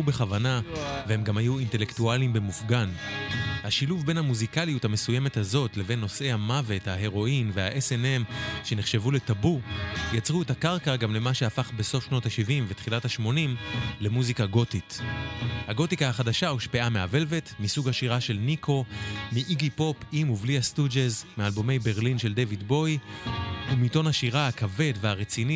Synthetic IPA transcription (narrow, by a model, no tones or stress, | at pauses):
ube̞χavanavehe̞mɡamhajuinte̞le̞ktualimbemufɡanhaʃiluvbe̞nhamuzikalijuthame̞sujeme̞thazo̞tle̞ve̞nːo̞sʔe̞jhamave̞thaɦe̞ʁo̞invehaʔesenemʃe̞neχʃevule̞tabujat͡sʁuetakaʁkaɡamle̞maʃe̞afaχbe̞so̞fʃno̞thaʃivimvetχilathaʃmo̞nimle̞muzikaɡo̞tit | haɡo̞tikahaχadaʃauʃpeameave̞lvetmisuɡhaʃiʁaʃe̞lnikʰo̞miʔiɡipo̞pimuvliastud͡ʒezmealbome̞jbe̞ʁlinʃeldejvidbo̞j | umito̞nhaʃiʁahakave̞dveaʁet͡sini